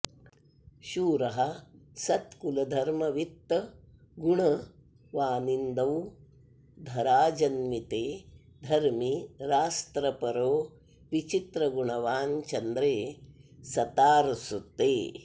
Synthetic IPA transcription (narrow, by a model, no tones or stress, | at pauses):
ʃuːɾɐɦɐsɐt̪kulɐd̪ʱɐɾmɐʋit̪ːɐ | ɡuɳɐ | ʋaːnind̪ɐw | d̪ʱɐɾaːd͡ʒɐnmit̪eː | d̪ʱɐɾmiɾaːst̪ɾɐpɐɾoː | ʋit͡ʃit̪ɾɐɡuɳɐʋaːnt͡ʃɐnd̪ɾeːsɐt̪aːɾsut̪ːeː